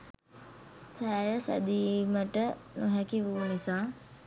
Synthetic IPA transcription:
sæːjəsæ̰d̪iːməʈənuɦækiʋuːunisaː

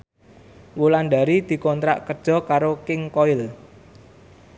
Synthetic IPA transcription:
wulanɖ̪a̤ɾid̪̥i̤kɔnt̪ɾa̰ʔkərd̥ʒ̥ɔ̤kaɾokɪŋkɔɪl

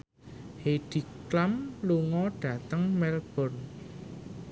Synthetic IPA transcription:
heɖ̥i̤klamluŋɔɖ̥ä̤t̪əŋmɛlb̥ɔ̤r

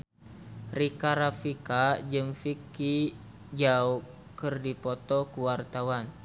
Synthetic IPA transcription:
rikaɾafikad͡ʒɨŋfiki | d͡ʒau | kɨrdipɔt̪ɔkuwart̪awan

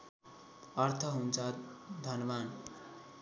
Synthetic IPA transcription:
ʌrt̪ʰʌɦunt͡sʰʌd̪ʱʌnban

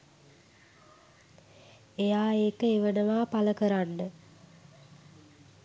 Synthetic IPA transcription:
ejaːeːkəeʋənəʋaːpaləkəɾanːə

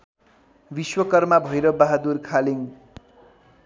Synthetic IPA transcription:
biswʌkʌrmabʱʌjɾʌbaɦad̪urkʰaliŋ

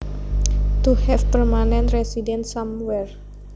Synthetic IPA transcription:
t̪uhɛfpərmanɛ̃nt̪residɛnsamwɛr

